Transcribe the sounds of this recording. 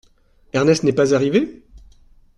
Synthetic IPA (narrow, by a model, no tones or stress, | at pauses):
ɛʁnɛst̪nɛpazaʁive